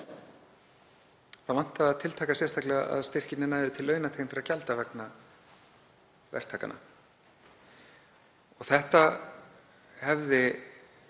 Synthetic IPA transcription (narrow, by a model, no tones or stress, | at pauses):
θaðvan̥t̪aːðt̪ʰɪlt̪ʰaːkasjɛrst̪ʰaklɛɣaa̰ðst̪ɪr̥cɪnnɪnaːjðʏt̪ʰɪlːœːɥnat̪ʰeːjmfɪɾacalt̪avɛkna | vɛ̰r̥t̪ʰaːka̰na̰ | ɔɣθɛht̪a | hɛvðɪ